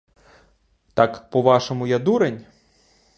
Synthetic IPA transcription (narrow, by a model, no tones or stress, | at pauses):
t̪ɑkpɔʋɑʃɔmʊjɐd̪uɾenʲ